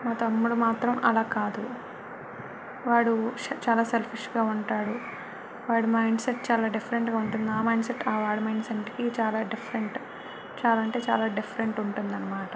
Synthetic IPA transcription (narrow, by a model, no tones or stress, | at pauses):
maːt̪ɐmːuɽumaːt̪ɾɐmɐ̰laːkaːd̪u | ʋaːɽut͡ʃaːlaːselpʰiʂɡaːuɳʈaːɽu | ʋaːɽumɐjɳɖseʈːt͡ʃaːlaːɖifʰɐɾeɳʈɡaːuɳʈund̪iaːmɐjɳɖseʈːaːʋaːɽumɐjɳɖsenʈkit͡ʃaːlaːɖifʰɐɾeɳʈ | t͡ʃaːlɐɳʈeːt͡ʃa̰ːlaːɖifʰɐɾeɳʈuɳʈund̪ɐnːɐmaːʈɐ